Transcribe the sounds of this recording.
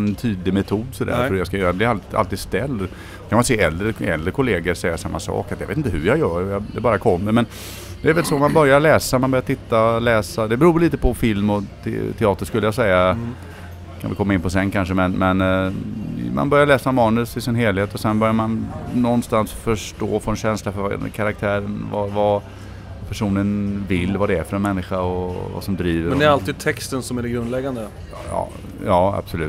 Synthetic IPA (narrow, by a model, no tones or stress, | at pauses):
nt̪ʰyːd̪lɪmɛt̪ʰuːd̪sɔd̪æ̰ːɾfœɾjɑskajœɾablɪɾaa̰lt̪iːd̪st̪ɛlː | kʰanmanseːɛld̪ɾəɛ̰ld̪ɾəkʰʊleːɡəɾsɛjːasamːasɑ̰ːkat̪jɑvḛt̪ɪnt̪əhɵɾjɑjœːɾɔjɑd̪ɛbɑːɾakʰɔmːəɾmɛn | d̪ɛːɾvɛlsomanbœɾjaɭɛːsamanbœɾjat̪ʰɪt̪ːalɛːsad̪ɛbɛɾuːɾliːt̪əpʰɔfɪlmɔt̪ʰt̪ʰɛɑːt̪əʂkɵlːəjasɛjːa | kʰa̰nvɪkʰɔmaɪnːpʰɔs̬ɛnːkʰanʂəmɛnmɛn | ma̰nbœɾjaɭɛːsamɑːnɵsɪsɪnɦeːlɪheːt̪ɔsɛnbœɾjaɾmannɔnːst̪ansfœʂʈo̰ːfɔɛnɕɛnslafœkʰaɾak̚t̪ʰæːɾənvava | pʰæʂuːnənvɪlːvad̪ɛæɾfœɾɛnmɛnːɪɧaɔva̰sɔmd̪ɾiːvəɛnd̪ɛɾalt̪iːd̪̚t̪ʰɛkst̪ənsɔmæɖɛɡɾɵnd̪lɛɡːand̪ə | jɑ̰ː | jɑːa̰b̥sɔlʉ̟ːt̪